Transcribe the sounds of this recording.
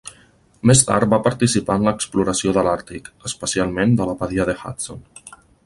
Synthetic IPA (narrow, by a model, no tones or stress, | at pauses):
mest̪a̰ɾt̪̚bapəɾt̪isipaənləkspluɾəsioðəlaɾt̪ikəspəsialˠmend̪ələpaðiəðəxa̰t̪so̰n